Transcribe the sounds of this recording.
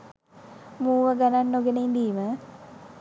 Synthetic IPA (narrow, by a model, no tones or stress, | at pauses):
muːʋəɡananːoɡenəind̪iːmə